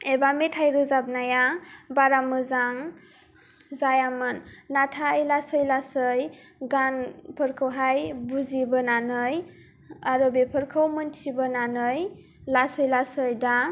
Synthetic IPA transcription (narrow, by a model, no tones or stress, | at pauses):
ebametʰajɾɯzab̚najabaɾamɯzaŋ | zajamɯnːatʰajlasɯjlasɯj | ɡanpʰɯɾkʰɯwɦajbuzibɯnanɯj | aɾɔbepʰɯɾkʰɯwmɯntʰibɯnanɯj | lasɯjlasɯjda